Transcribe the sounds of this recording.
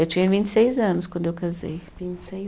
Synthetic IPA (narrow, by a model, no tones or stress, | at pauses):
ewt͡ʃĩɲɐvĩnt͡ʃɪ̥sejzɐ̃nʊskwɐ̃nd̪ewkazḛjvĩnt͡ʃsej